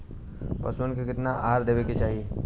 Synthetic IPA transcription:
pɐsənkekɪt̪naʔaːɾd̪eːʋeket͡ʃaːɦi

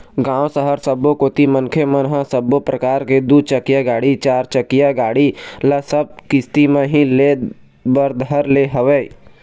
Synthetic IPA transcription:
ɡãːwsəɦəɾsəbokoːt̪imənkʰemənɦə̃səbːopɾəkaːɾked̪ut͡ʃəkɪjaɡaːɽit͡ʃaːɾt͡ʃəkɪjaɡaːɽiləsəb̚kɪst̪imẽɦĩle | bəɾd̪ɦəɾleɦəʋeḭ

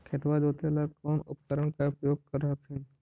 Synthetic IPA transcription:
kʰet̪ʋad͡ʒoːt̪eləɡkɔːnʊ̰pkəɾəɳ̃kaʊpɾəjoːɡ̚kəɾɦap̪ʰɪn

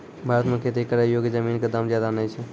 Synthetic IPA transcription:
bʱaɾət̪mẽkʰet̪ikəɾajoɡjəd͡ʒəminked̪əmd͡ʒjad̪anəjt͡ʃʰɛ

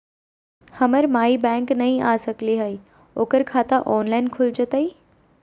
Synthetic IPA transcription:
hɐməɾmaːibɛ̃ːŋknɐɦĩʔaːsəkliɦɐi | oːkəɾkʰaːt̪aʔɔːnlaːɪnkʰʊld͡ʒət̪əiː

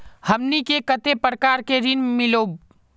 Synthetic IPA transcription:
həmnikekət̪epɾəkaːɾkeɾɪnmɪloːb

